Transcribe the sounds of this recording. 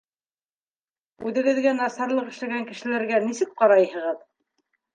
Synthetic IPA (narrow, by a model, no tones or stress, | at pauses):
ʉðɘ̆ɡɘ̆ðɡænɑsɑɾlˠɤqɘ̆ʃlæɡæŋkɘ̆ʃɘ̆læɾɡænisɘk̚qɑɾɑjhɤ̆ʁɤð